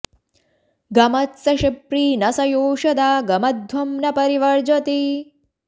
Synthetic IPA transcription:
ɡɐmɐt̪sɐʃipɾiːnɐsɐjoːʃɐd̪aːɡɐmɐd̪ʱʋɐmnɐpɐɾiʋɐɾd͡ʒɐt̪i

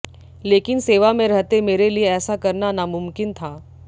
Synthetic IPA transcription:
leːkɪnseːʋamẽɾɐɦt̪emeːɾelieɛːsakɐɾnanamʊ̃mkɪnt̪ʰaː

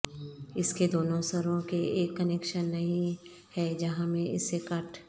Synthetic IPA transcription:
ɪsked̪oːnõsɐɾõkeeːkːɐneːkʃənːɐɦĩ | hɛd͡ʒɐɦãmẽɪsːekɐʈʰ

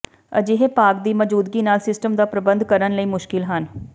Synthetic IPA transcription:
ə̰d͡ʒɪɦeːpaːkd̪iːməd͡ʒuːd̪ɡiːnaːlsɪsʈəmd̪aːpɾəbə̃nd̪kəɾənləiːmʊʃkɪlɦən

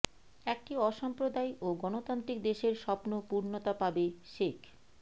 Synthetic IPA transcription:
ɛk̚ʈiɔʃɔmpɾod̪ajoɡɔnot̪ant̪ɾik̚d̪eʃeɾʃɔpnopuɾnot̪apabeʃekʰ

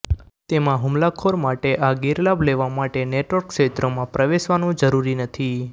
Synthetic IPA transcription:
t̪emãɦʊmlakʰoɾmaʈeʔaɡiɾlableʋamaʈeneʈʋəɾkʃet̪ɾomãpɾəʋeʃʋanũd͡ʒəɾuɾinət̪ʰi

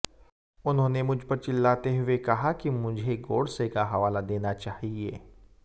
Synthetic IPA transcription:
ʊnɦõːnemʊd͡ʒʱpɐɾt͡ʃɪlːaːt̪eɦʊekɐɦakimʊd͡ʒʱeɡoːɽsekaɦɐʋaːlad̪eːnat͡ʃaːɦieː

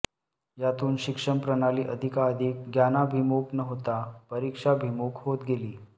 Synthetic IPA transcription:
jat̪uːnɕikʂəmpɾənaliːʔəd̪ʱikaəd̪ʱik̚ɡjanabʱimoknəɦot̪apəɾikʂabʱimokɦot̪ɡeliː

